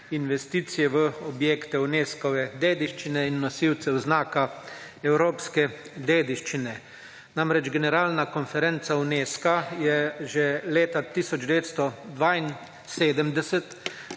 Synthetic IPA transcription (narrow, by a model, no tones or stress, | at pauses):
inʋɛst̪iːt̪sijɛʋəɔbjeːkt̪ɛuneːskɔʋɛd̪eːd̪iʃt͡ʃinɛinːɔsiwt̪sɛwznaːka | ɛwɾoːpskɛ | d̪eːd̪iʃt͡ʃinɛ | namɾɛd͡ʒɡɛnɛɾaːlnakɔnfɛɾent̪sauneːskajɛʒɛleːt̪at̪isɔd͡ʒd̪ɛʋeːt̪st̪ɔd̪ʋain | seːd̪əmd̪ɛsɛt̪